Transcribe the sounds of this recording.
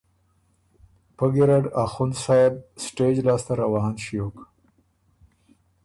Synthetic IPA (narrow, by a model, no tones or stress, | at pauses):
pəɡiɾaɖaxunsaːb̚sʈeːd͡ʒlaːst̪aɾawɑːnʃijok